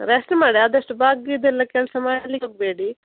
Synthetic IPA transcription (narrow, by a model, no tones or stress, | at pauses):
ɾesnmaːɽiaːd̪ɐʂʈbaːɡid̪elːɐkeɳɖsɐmaːjlːikoɡ̚beːɽi